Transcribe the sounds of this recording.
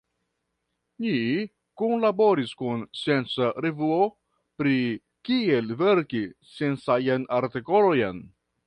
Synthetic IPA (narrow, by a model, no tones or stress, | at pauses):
ni | kunlabo̞ɾiskunsie̞nt͡saɾevuo̞ | pɾi | kie̞lveɾkisje̞nsajanaɾtiko̞lojan